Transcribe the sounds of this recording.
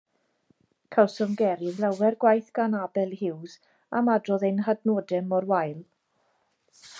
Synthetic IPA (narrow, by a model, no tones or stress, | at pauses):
kʰawsɔmɡɛɾɪvlˠawɛrɡwajθɡ̥anabɛlˠhɪwz | amadrɔðejnɦadnodɛmɔrwajlˠ